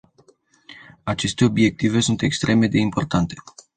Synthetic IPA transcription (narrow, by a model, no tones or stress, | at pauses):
at͡ʃe̞st̪e̞o̞bje̞k̚t̪ive̞sunt̪e̞kst̪ɾe̞me̞d̪e̞impo̞rt̪ant̪e̞̥